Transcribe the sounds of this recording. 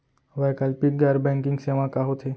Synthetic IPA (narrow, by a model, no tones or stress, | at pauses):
ʋakalpik̚ɡaɾbɛ̃ŋkɪŋɡseʋãkaɦot̪ʰe